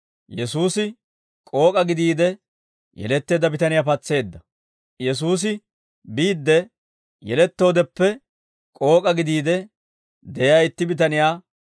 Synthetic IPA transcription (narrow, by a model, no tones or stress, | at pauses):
jɛsuːsɪ | kʼo̞ːkʼɐɡɪd̪iːd̪ɛ | jɛ̰lɛt̪ːe̞ːd̪ɐbɪt̪ɐnɪjaːpɐt͡sːe̞ːd̪ːɐ | jɛs̬uːs̬ɪ | biːd̪ːɛ | jɛlɛt̪ːo̞ːd̪ɛpːɛ | kʼo̞ːkʼɐɡɪd̪iːd̪ɛ | d̪ɛjaːɪt̪ːɪbɪt̪ɐnɪjaː